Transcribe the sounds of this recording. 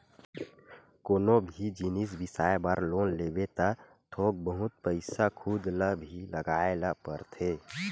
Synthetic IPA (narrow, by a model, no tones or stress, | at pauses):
koːnobʱid͡ʒinis̬bɪsaːebaɾloːnleːbet̪a | t̪ʰoːk̚bəɦʊt̪̚pəɪsakʰud̪ləbʱiləɡaːeləpəɾt̪ʰeː